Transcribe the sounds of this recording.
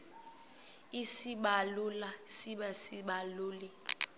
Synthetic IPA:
isiɓalulasiɓɛsiɓaluːli

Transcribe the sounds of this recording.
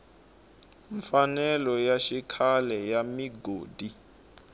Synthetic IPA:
ɱfanɛlɔjaʃikʰalɛjamiɡoːdi

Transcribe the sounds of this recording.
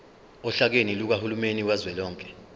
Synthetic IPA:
ɔɬak̬eniluk̬ahulumeniwazwɛlɔːŋkʼɛ̥

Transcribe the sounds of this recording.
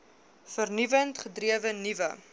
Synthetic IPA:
fərnivəntχədriəvənivə

